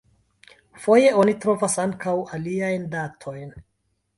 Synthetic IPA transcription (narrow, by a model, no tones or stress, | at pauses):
fo̞je̞o̞nitɾo̞vasaŋkawaliajndatʰo̞jn